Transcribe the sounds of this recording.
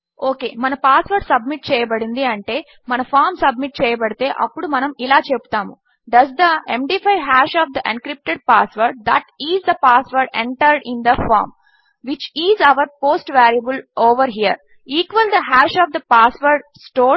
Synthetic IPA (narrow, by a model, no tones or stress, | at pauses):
oːkḛːmɐnɐpaːsʋɐɾɖsɐb̚miʈ̚t͡ʃɛːjɐbɐɽind̪iɐɳʈe̞ː | mɐnɐfʰaːɾmsɐb̚miʈ̚t͡ʃɛːjɐbɐɽit̪e̞ːʔɐ̰pːuɽumɐnɐmilaːt͡ʃebu̥t̪aːmu | ɖɐzd̪ɐemɖiːfʰajɦaːʃɔːʋd̪ɐʔɐnkɾip̚ʈeɖ̚paːsʋɐɾɖ̚d̪ɐʈiːzd̪ɐpaːsʋɐɾɖḛɳʈɐɾɖind̪ɐfa̰ːɾm | ʋit͡ʃiːzɐʋɐɾpoːsʈʋæːɾjɐbuloːʋɐɾɦiːəɾ | iːkʋɐld̪ɐɦaːʃɔːʋd̪ɐpaːsʋɐɾɖsʈoː